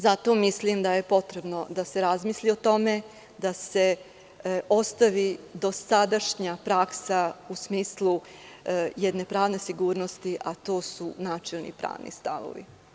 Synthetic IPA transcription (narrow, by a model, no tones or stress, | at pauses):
zat̪o̞ːmislimd̪aje̞po̞t̪ɾe̞bno̞d̪ase̞ɾazmiːslio̞t̪o̞me̞ | d̪ase̞ | ʔo̞st̪aʋid̪o̞sad̪aʃɲapɾaksausmiːslˠu | jed̪ne̞pɾaːʋne̞siɡuːɾno̞st̪iʔat̪o̞ːsunaːt͡ʃelnḭpɾa̰ːʋnḭst̪a̰ʋo̰ʋḭ